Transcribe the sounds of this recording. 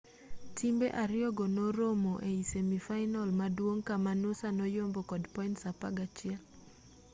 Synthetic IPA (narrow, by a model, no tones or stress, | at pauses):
tʰimbeʔaɾjɔɡonoɾomoʔeisemifajnɔlmadwoŋkamanʊsanɔjombokɔdpɔintsapa̰ɡat͡ʃɪɛl